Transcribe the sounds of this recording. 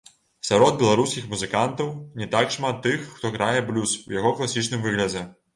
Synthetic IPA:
sʲaɾɔd̪̚bʲɛlˠaɾuskʲixmuzɨkant̪ɐwnʲɛt̪akʂmat̪ːɨxːt̪ɔɣɾajɛblʲuswjaɣɔklˠasʲit͡ʂnɨmvɨɣlʲɐd͡zʲɛ

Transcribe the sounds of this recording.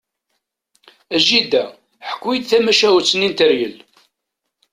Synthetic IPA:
æʒid̪æ | ħə̥kʷːwid̪θæmæʃæwt͡sːənint̪əɾjəl

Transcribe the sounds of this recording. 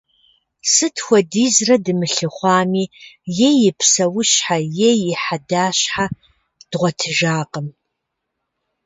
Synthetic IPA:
sɨtʰxʷɔdiːzrɐdɨmɨɬɨχʷɑːmiːjejɪpʰsɐwʊɕħajejɪħadaːɕħa | d̥ʁʷɔtʰɨʒaːqəm

